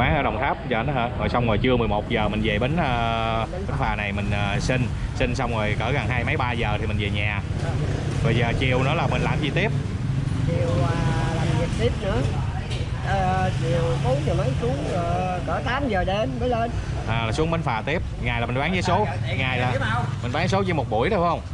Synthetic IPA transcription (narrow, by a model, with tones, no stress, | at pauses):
waː˨˦ŋʔəː˧˦ɗə˨˩wŋ͡mt̪ʰaː˦˥p̚t͡ɕəː˧˩˨nː˨˦əː˧˩zo˨˩jsa˧wŋ͡mɣo˨˩jt͡ɕɨ˧əmɨ˨˩əjmo˨˩t̚zəː˨˩mï˨˩ŋ̟ze˨˩ɓe˨˦nʔəː˧˦nɓə˨˦nfaː˨˩na˨˩jmï˨˩ŋ̟ʔəː˨˩si˧ŋ | sï˧ŋ̟sa˧wŋ͡mɣo˨˩jkəː˧˩ɣə˨˩ŋɦaː˧jmə˨˦jɓaː˧zəː˨˩t̪ʰi˨˩mï˨˩ŋ̟ve˨˩ɲaː˨˩ | vo˧˨˩jzəː˨˩t͡ɕi˨˩əwnɨ̰˨˦laː˨˩mi˨˩ŋ̟laː˨˩mzi˨˩t̪i˦˥əp̚ | t͡ɕi˨˩əwəː˨˩laː˨˩mmi˨˩ət̚t̪i˦˥əp̚nɨ̰˧˥ə | ʔəː˨˩t͡ɕi˨˩əwt̪u˨˦ŋɲɨ˨˩mə˨˦jsu˨˦əŋə˨˩ | kəː˧˩t̪aː˨˦mzəː˨˩ɗe˨˧˦nməː˨˦jle˧n | ʔaː˨˩laː˨˩su˨˦ŋɓe˨˦nfaː˨˩t̪i˦˥əp̚ŋaː˨˩jaː˨˩mi̟˨˩ɓaː˨˦ŋzəː˨˦jso˨˦˨ŋaː˨˩jlaː˨˩mï˨˩ŋ̟ɓaː˨˦ŋso˨˦t͡ɕɨ˧˦mo˨˩t̚ɓu˧˩əjɗə˨˧˦faː˨˦˥hə˧wŋ͡m